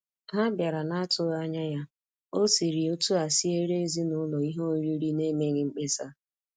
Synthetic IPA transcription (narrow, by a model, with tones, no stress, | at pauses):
ɦa˦bja˨ɾa˨na˦tʊ˦a˦ɲa˦ja˦ | o˦si˨ɾi˨o˦tu˦a˨si˦e˦ɾe˦e˦zi˦nʊ˦lɔ˨i˦ɦo˦ɾi˦ɾi˦ne˦me˦ɣɪ˦ŋ͡m̩˦k͡pe˦sa˦